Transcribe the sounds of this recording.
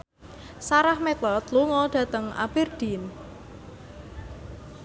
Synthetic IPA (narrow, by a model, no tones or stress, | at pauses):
saɾahmet̪ɔt̪luŋɔɖ̥ä̤t̪əŋa̰b̥erd̪̥in